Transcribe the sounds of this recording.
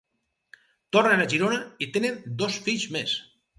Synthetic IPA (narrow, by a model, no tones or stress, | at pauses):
t̪ornenaʒiɾonait̪enend̪osfiʎzmes